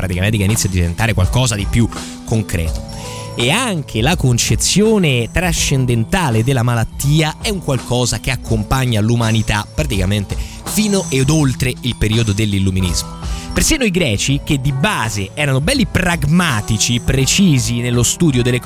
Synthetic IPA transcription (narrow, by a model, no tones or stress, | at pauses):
pɾat̪ikament̪ekeiːnit̪sjad̪ːivḛnt̪aːɾekwa̰lkɔːzad̪ipju | kːoŋkɾɛ̰ːt̪o̥ | eaŋk̟ʰelakont͡ʃet̪sːjoːnet̪ɾaʃːend̪ent̪aːled̪elːamalat̪ːiːaɛuŋkwalkɔːzak̟eakːompaɲːalumanit̪apːɾat̪ikament̪e | fiːnoʔed̪olt̪ɾeilpeɾiːod̪od̪elːilːuminḭzmopersinːoiɡɾɛːt͡ʃik̟ed̪ːibaːzeɛːɾanobɛlːipɾaɡmaːt̪it͡ʃipɾet͡ʃiːzinelːost̪uːd̪jod̪elːe